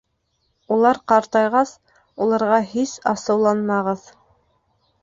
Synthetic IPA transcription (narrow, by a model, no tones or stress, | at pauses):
ulˠɑɾqɑɾt̪ɑjʁɑs | ulˠɑɾʁɑɦisɑsɤ̆wlˠɑnmɑʁɤð